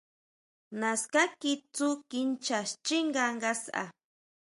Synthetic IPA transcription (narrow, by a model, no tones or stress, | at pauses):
naskakit͡sukɪnt͡ʃast͡ʃiŋɢaŋɢasa̰